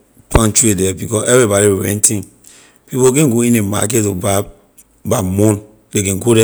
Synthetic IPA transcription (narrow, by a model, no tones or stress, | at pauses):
pʰãnt͡ʃuedɛbikɔɛvɾibɔɾiweɾɛ̰̃ntʰĩn | pipokẽnɡoĩnema̰k̬etɔba | bamõn | dekẽnɡodɛ